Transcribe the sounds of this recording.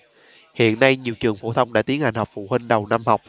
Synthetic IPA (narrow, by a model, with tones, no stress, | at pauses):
hḭ˧˨ənːa˧jɲi˨˩əwt͡ɕɨ˨˩əŋfo˧˩t̪ʰə˧wŋ͡mɗa̰ː˧˥t̪i˨˦ənha˨˩jŋ̟hɔ˨˩k͡p̚fṵ˧˨hi˧ŋ̟ɗə˨˩wna˧mha˨˩wk͡p̚